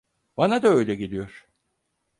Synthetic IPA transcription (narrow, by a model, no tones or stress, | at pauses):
banad̪aø̞jlʲɛɟid̪ʲijo̞ɾ̥